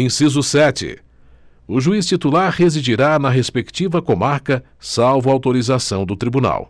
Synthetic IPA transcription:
ẽj̃sizʊsɛt͡ʃɪ̰ | ʊʒuist͡ʃit̪ulaɾhezid͡ʒiɾanɐɦespekt͡ʃivɐkomaɾkɐ | sawvʊawt̪oɾizasɐ̃w̃d̪ʊt̪ɾibuna̰w

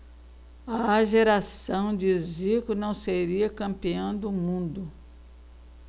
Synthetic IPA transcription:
ɐaʒeɾasɐ̃w̃d͡ʒɪzikʊnɐ̃w̃seɾiɐkɐ̃mpiɐ̃w̃d̪ʊmũnd̪ʊ

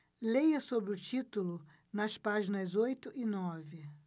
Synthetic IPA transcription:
lejɐsobɾɪʊt͡ʃit̪ʊlʊ | nɐspaʒinɐzojt̪ʊʔɪnɔvɪ

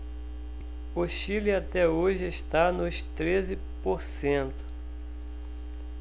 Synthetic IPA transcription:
oʃiliat̪ɛoʒɪeʃt̪anʊʃt̪ɾezɪ | poɾsẽnt̪ʊ̥

